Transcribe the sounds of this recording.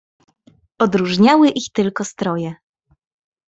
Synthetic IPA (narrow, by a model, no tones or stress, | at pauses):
ɔd̪ɾuʐɲawɘʔixt̪ɘlkɔst̪ɾɔjɛ